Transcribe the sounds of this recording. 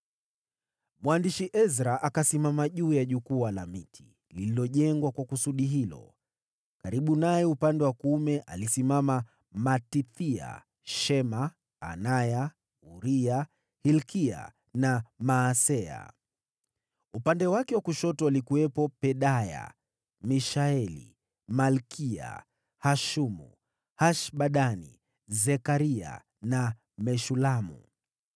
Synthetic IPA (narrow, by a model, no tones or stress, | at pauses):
mwandiʃiʔɛzɾaʔakasimamaʄuːjaʄukuala̰mitʰi̥ | lililɔʄɛŋɡwakwakusuɗiɦilɔ̰ | kaɾiɓunajɛupandɛwakumɛʔalisimama | matiθia̰ | ʃɛma̰ː | naja | uɾia | hilkia̰ | namaːsɛa̰ | upandɛwakɛwakuʃɔtɔalikuwɛpɔpɛɗaja̰ | miʃaɛlḭ | malkʰia̰ | haʃumṵ | haʃɓaɗanḭ | zɛkaɾia̰ | na | mɛʃulamṵ